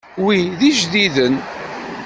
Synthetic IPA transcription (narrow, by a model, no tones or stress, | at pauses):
wiðiʒðiðən